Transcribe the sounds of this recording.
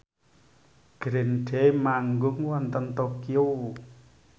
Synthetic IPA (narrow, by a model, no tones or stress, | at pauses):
ɡ̥ɾenɖʰemaŋɡʊŋwant̪ənt̪ɔkio